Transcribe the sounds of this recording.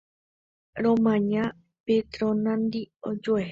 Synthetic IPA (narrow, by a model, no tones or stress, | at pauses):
ɾõmãɲã | pet̪ɾõnãnd̪iod͡ʒoeɦ